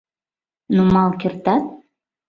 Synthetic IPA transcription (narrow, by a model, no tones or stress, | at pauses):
numɑlˠkʲirt̪ɑt̪̚